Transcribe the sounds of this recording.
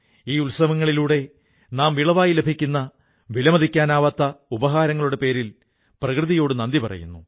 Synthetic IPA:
iːulsɐmɐŋːɐɭiluːɽe̞ | naːmʋiɭɐʋaːjile̞bʱikʲːunːɐ | ʋilɐmɐðʱikʲːaːnaːʋɐt̪ːɐubɐɦaːɾɐŋːɐɭuɽe̞pe̞ːɾil | prɐkrɨðijo̞ːɽɨnɐnd̪ipɐrɐ̰jṵnːu

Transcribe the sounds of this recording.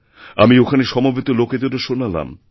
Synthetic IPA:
amiokʰaneʃɔmobʱit̪oloket̪oɾoʃonala̰m

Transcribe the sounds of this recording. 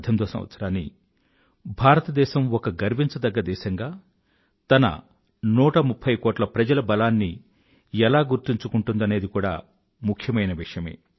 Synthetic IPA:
d̪ʱjɐmt̪oːsɐ̰mʋɐ̰t̪sɐɾaːnːḭ | bʱaːɾɐt̪ɐd̪ɛːʃɐmɔkɐɡɐɾmiɲt͡ʃɐd̪ɐɡːɐd̪ɛːʃɐŋɡaː | t̪ɐnɐ̰ | nuːʈɐmupʰːɐjkoːʈlɐpɾɐd͡ʒɐlɐbɐlaːnːi | ɛlaːɡuɾt̪iɲt͡ʃukuɳʈund̪ɐne̞ːd̪ikuːɽa̰ː | mukʰjɐmɐjnɐʋiʂjɐme̞̰ː

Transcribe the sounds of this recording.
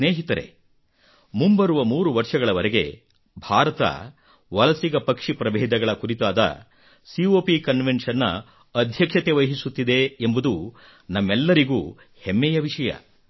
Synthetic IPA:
neːɦit̪ɐɾe̞̰ | mumbɐɾuʋɐmuːɾuʋɐɾʂɐɡɐɭɐʋɐɾeɡe̞̰ | bʱaːɾɐt̪ɐ̰ | ʋɐlɐsiɡɐpɐkʂipɾɐbɛːd̪ɐɡɐɭɐkuɾit̪aːd̪ɐ̰ | sioːpikɐnʋenʂɐnːɐ̰ː | d̪ʱjɐkʂɐt̪eʋɐjɦisut̪ːid̪eembud̪u | nɐmːɛlːɐɾiɡuː | hemːɛjɐʋiʂɐjɐ̰

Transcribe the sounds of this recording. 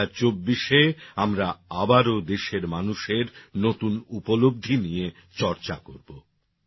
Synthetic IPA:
aɾt͡ɕobːiʃeamɾaabaɾod̪eʃeɾmanuʃeɾnot̪unupolob̚d̪ʱinije | t͡ɕɔɾt͡ɕakoɾbo

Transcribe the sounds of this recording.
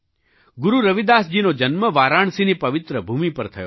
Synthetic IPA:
ɡʊɾuɾəʋid̪asd͡ʒinod͡ʒənməʋaɾaɳ̃sinipɐʋɪt̪ɾəbʱumipəɾt̪ʰəjo̰

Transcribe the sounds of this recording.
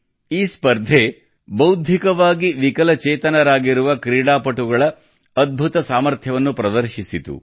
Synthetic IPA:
iːspɐɾd̪ʱe | bɐwd̪ʱikɐʋaːɡiʋikɐlɐt͡ʃeːt̪ɐnɐɾaːɡiɾuʋɐkɾiːɽaːpɐʈuɡɐɭɐː | d̪̚bʱut̪ɐsaːmɐɾt̪ʰjɐʋɐnːupɾɐd̪ɐɾʃisit̪ṵ

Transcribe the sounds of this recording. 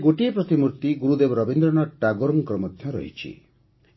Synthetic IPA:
ɡoʈiepɾʌt̪imuɾt̪iɡuɾud̪ebɾʌbind̪ɾʌnaʈaɡoɾmkrʌmʌt̪ʰjʌ̃ɾʌ̰ɦḭt͡ʃʰḭ

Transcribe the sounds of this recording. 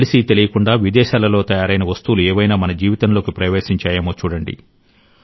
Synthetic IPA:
lisit̪elijɐkuɳɖaːʋid̪ɛːʃaːlɐloːt̪ɐjaːɾɐjnɐʋɐst̪uːluɛːʋɐjnaːmɐnɐd͡ʒiːʋit̪ɐnlo̞ːkipɾɐʋeːsiɲt͡ʃaːjɐmoːt͡ʃuːɽɐɳɖḭ

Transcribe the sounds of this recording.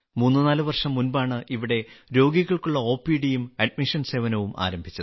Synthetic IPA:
muːnːɨnaːlɨʋɐrʂɐmːunbaːɳɨʔiʋiɽe̞ɾo̞ːɡiɣɐɭkuɭːɐo̞ːpiɽijumɐɖmiʂɐnse̞ːʋɐnɐʋumʔa̰ːɾɐmbʱit͡ɕːɐðɨ

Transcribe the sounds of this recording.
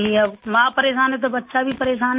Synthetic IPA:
ĩɐbmãːpəɾeːʃaːnɦet̪̬obɐtːʃabʱipəɾeːʃaːn

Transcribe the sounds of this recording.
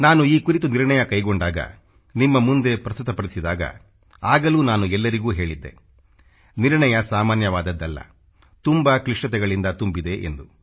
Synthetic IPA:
naːnuiːkuɾit̪uniɾɳɐjɐkɐjɡoɳɖaːɡɐ̰ | nimːɐmund̪e̞pɾɐst̪ut̪ɐpɐɾisid̪aːɡɐ̰ | aːɡɐluːnaːnuɛlːɐɾiɡuːɦe̞ːɭid̪ːe̞̰ | niɾɳɐjɐsaːmaːnjɐʋaːd̪ɐd̪ːɐlːɐ̰ | t̪umbakɾiʂʈɐt̪̬ɛɡɐɭind̪ɐt̪umbid̪e̞ʔḛnd̪u

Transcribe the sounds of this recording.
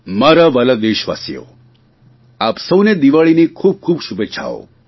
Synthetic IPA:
maɾaʋələd̪eʃʋa̰sjo̰ | aːpsəwned̪iʋaɭinikʰuːb̚kʰuːbʃubeʃʰa̰o̰

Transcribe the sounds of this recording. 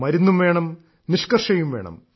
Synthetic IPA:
mɐɾunːumʋe̞ːɳɐm | niʂkɐrʂɐjumʋe̞̰ːɳɐ̰m

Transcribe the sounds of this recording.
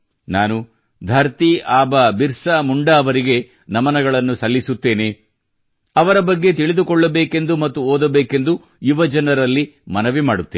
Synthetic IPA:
naːnu | d̪ʱɐɾt̪iʔaːbɐbiɾsɐmuɳɖɐːʋɐɾiɡe̞ | nɐmɐnɐɡɐɭɐnːusɐlːisut̪ːe̞ːne̞ | ɐʋɐɾɐbɐɡːe̞t̪iɭid̪ukɔɭːɐbeːke̞nd̪umɐt̪ːuoːd̪ɐbeːke̞nd̪u | jiʋɐd͡ʒɐnɐɾɐlːimɐnɐʋimaːɽut̪ːeː

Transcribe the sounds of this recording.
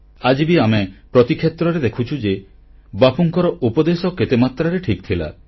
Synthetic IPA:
ad͡ʒibiamepɾɔt̪ikʰet̪ɾɔɾed̪ekʰut͡ʃʰud͡ʒe | bapuŋkɔɾɔʔupɔd̪esɔket̪emat̪ɾaɾeʈʰikt̪ʰila̰

